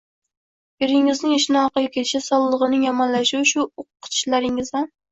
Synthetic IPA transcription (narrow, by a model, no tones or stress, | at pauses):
beɾɪŋɪznɪŋɪʃɪnɪɒqɨjekʲʰɪʃasɒlˠːɨʁɨnɪŋjɒmɒnlaʃɪʊʃʊʊqʰːɨ̥t̪ʰɪ̥ʃlaɾɪŋɪzan